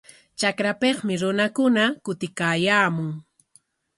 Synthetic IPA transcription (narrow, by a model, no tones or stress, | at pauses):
t͡ʃakɾapeχmɪɾʊnakʊnakʊt̪ɪkaːjaːmʊŋ